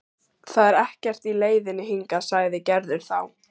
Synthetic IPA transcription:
θaðɛɾɛhcɛr̥t̪ileːjðɪnːɪɦiŋkasaːɣðɪcɛɾðɪɾ̥θaw

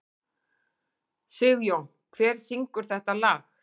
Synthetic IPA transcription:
sʏɣjow | kʰvɛːɾ̥siŋkʏɾ̥θɛht̪alaːx

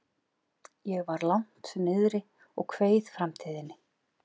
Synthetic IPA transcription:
jɛɣvaɾlawŋ̥t̪sɛmːɪðɾɪ | ɔɣkʰveːjðfɾamt̪ʰiːðɪnːɪ

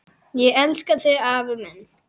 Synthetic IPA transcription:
jɛɛnskaθɛavmɛn

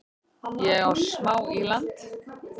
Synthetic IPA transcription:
jɛawsmaːwilant̪

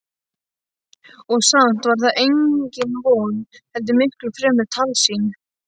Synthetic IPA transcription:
ɔɣsan̥t̪vaɾθaðʔejɲcɪnvownhɛlt̪̬ɪmɪhklʏfɾɛːmɪɾ̥t̪ʰalsiːnʏ

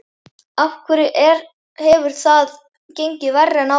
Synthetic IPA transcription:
afkʰvʏɾɪʔɛɾ | hɛvʏɾ̥θað | cejɲcɪvɛrːɛna

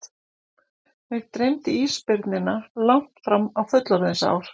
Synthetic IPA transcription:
mɛɾt̪ɾejmt̪ɪiːspɪɾt̪nɪnːalaŋ̥t̪fɾamawfʏt̪laɾðɪnsa̰ːwɾ̥

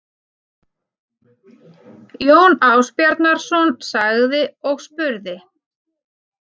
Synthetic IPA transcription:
ljoːwnaːwspjaɾt̪naɾ̥sɔnsaɣðɪɔɣspʏɾðɪ

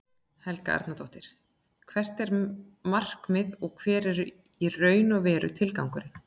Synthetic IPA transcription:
hɛlkaa̰ɾt̪nat̪ʰoht̪ɪɾ̥ | kʰvɛr̥t̪ɛɾmar̥kmɪðɔɣkʰvɛːɾɛɾʏ | irœːɥnɔvɛːɾʏ̰t̪ʰɪlkawŋkʏɾɪ

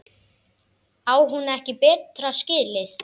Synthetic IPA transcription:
aːwɦunɛhcɪpɛːt̪ɾascɪːlɪθ

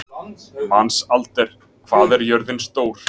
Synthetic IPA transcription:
mansalt̪ɛɾ̥ | kʰv̥aːðɛɾjœɾðɪnst̪oːwɾ̥

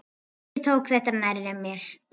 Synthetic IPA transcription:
t̪ʰowkθɛht̪anaɾːɛmjɛɾ̥

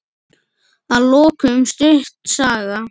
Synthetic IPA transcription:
aloːkʰʏmst̪ʏht̪saːɣa

